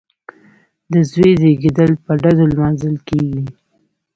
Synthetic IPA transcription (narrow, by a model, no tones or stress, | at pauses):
d̪əzwed̪eɡed̪əlpəɖad̪olmɑnzəlkeɡi